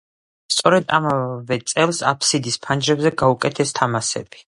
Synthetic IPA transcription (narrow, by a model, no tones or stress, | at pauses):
st̪sʼɔɾɛd̪a̰mavɛt̪sʼɛlˠsapʰsid̪ispʰand͡ʒɾɛbzɛɡaukʼɛt̪ʰɛst̪ʰamasɛ̰b̥i̥